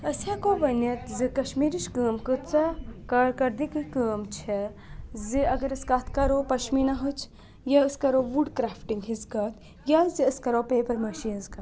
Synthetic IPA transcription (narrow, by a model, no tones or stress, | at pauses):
ɐsakoːʋɐnɐt̪zɨkɐʃmiːɾiʃkəːmkɨt͡sakɐɽkɐɾd̪ikɨkəːmt͡ʃʰɛziɐɡɐɾɐskaːt̪ʰkɐɾoːpɐʃminɐɦot͡ʃʰ | jaɨskɐɾoːʋuɖkɾaːfʈiŋɡɦizkɐt̪ | jaziɐskɐɾoːpeːpɐɾmɐʃiːnzkɐ